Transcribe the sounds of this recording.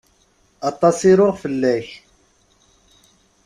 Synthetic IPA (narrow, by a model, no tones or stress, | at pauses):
ɑt̪ˤːɑsiɾʊʁfəlːæç